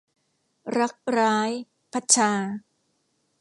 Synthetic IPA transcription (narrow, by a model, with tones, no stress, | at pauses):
ɾa˦˥k̚ɾaː˦˥j | pʰa˦˥t̪̚t͡ɕʰaː˧